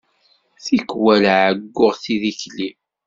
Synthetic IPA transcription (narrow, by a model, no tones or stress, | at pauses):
θikwælʕəɡːʊʁθiðiçli